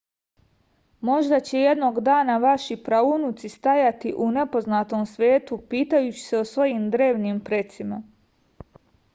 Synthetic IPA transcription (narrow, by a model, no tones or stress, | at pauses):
mo̞ʒd̪at͡ɕe̞je̞d̪no̞ɡd̪aːnaʋaʃipɾaunut̪sist̪ajat̪iʔune̞po̞znat̪o̞msʋʲje̞ːt̪upiːt̪ajut͡ɕi̥seosʋo̞jimd̪ɾe̞ːʋnimpɾe̞t̪sima